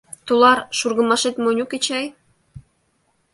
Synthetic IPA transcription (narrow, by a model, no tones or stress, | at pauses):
t̪ulɑɾʃurɣə̆mɑʃet̪monʲuket͡ɕɑj